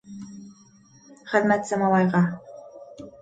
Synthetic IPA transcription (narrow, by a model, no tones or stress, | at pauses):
χə̆ðmæt̪sæmɑlˠɑjʁɑ